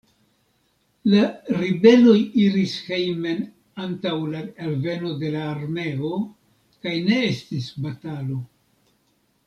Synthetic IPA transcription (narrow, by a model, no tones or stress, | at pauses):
laɾibe̞lo̞jiɾishejme̞n | antawlaalve̞no̞de̞laːɾme̞o̞ | kajne̞estisbatalo̞